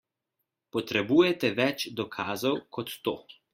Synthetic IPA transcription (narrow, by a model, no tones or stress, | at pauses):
pɔt̪ɾɛbuːjɛt̪ɛʋɛt͡ʃd̪ɔkʰaːzɔwkʰɔt̪ːoː